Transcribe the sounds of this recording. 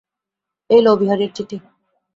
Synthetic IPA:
elobiɦaɾeɾt͡ɕiʈ̪i

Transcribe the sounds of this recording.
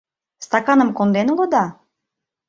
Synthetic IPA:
st̪ɑkɑnə̆mkond̪enulˠod̪ɑ

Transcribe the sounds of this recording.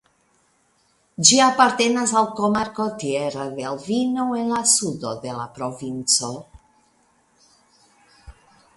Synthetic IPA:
d͡ʒiapaɾt̪e̞nasalkomaɾko̞t̪ieɾadelvinoe̞nlasud̪od̪e̞la̰pɾo̞vint͡so̞

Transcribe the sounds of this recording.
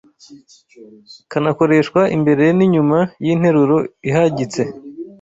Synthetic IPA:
kanako̞ɾe̞ʃkwaʔḭmbe̞ɾejeniɲumajin̥he̞ɾuɾoiɦaɟit͡se̞

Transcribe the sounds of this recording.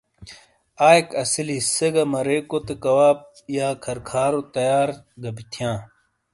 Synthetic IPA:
aːekɐsilisɐɡɐmɐɾekot̪ekɐwaːp̚ | jaːkʰɐɾkʰaːɾot̪ɐjaːɾ | ɡɐbit̪ʰjãː

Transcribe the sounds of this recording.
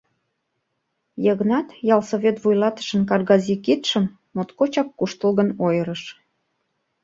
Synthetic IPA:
jəɣnɑt̪jɑlsoβʲet̪vujlɑt̪ə̥ʃənkɑrɣɑzikit̪ʃəmː | ot̪kot͡ɕɑkːuʃt̪əlɣənojəɾəʃ

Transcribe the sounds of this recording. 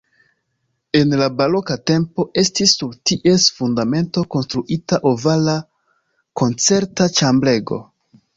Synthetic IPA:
e̞nlabaɾo̞kate̞mpo̞ʔe̞stisːuɾtiʔe̞sfundame̞nto̞ko̞nstɾuʔitaʔovala | ko̞nt͡se̞ɾtat͡ʃamble̞ɡo̞̰

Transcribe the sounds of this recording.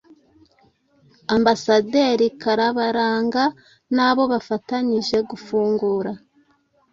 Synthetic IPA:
ambasadeːɾikaɾaβaɾaːŋɡa | naːβo̞βafataɲiʒe̞ɡufuːŋɡuːɾa

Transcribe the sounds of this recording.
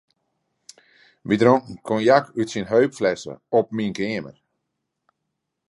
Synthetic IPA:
ʋidɾoŋkŋ̩kʰonjakytsinɦœɥpflɛsə̰ɔp̚minkɪəmə̰r

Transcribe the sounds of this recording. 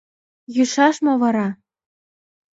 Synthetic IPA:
juʃɑʃmɤ̆vɑɾɑ

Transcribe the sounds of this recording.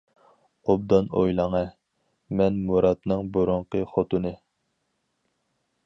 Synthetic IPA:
ob̚d̪ɑnojlˠɑŋɛ | mɛnmuɾɑt̪nɨŋbuɾʊɴqəχot̪ɨnɨ

